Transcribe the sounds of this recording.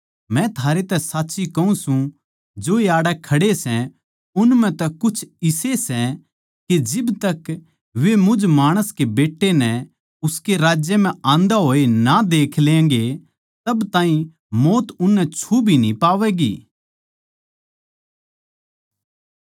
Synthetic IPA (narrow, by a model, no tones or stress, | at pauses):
mɛ̃t̪ʰaːɾet̪ɛsaːtːʃikɐũsũ | d͡ʒoːjaːɽɛkʰɐɽesɛ̃ | ʊnmɛ̃t̪ɛkʊt͡ʃʰɪsesɛ | ked͡ʒɪbt̪ɐk | ʋemʊd͡ʒmaːɽ̃əskebeːʈːenɛ̃ | ʊskeɾaːd͡ʒjəmɛ̃ãːnd̪aɦoːenad̪eːkʰlẽːŋɡe | t̪ɐbt̪aːĩ | moːt̪ʊnːɛt͡ʃʰubʱinĩpaːʋɛːɡḭː